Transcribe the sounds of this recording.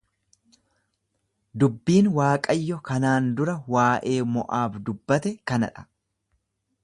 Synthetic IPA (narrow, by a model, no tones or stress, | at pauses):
d̪ʊbːiːnwaːkʼɐjːɔkɐnaːnd̪ʊɾɐwaːʔe̞ːmɔ̰ʔaːbd̪ʊbːɐt̪ɛkɐnɐ̰ᶑɐ̥